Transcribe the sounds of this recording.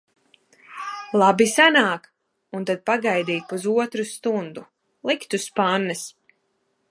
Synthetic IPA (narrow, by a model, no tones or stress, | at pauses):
lˠabisanaːk | unt̪ad̪̚paɡajd̪iːpuzuɔt̪ɾust̪und̪u | lˠikt̪uspanːɨs